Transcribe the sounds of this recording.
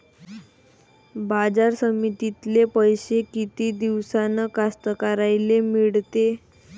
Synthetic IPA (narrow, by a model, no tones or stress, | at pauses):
bad͡zaɾsəmit̪it̪lepəjɕekit̪iːd̪iʋsanəkast̪əkaɾajlemiɭt̪e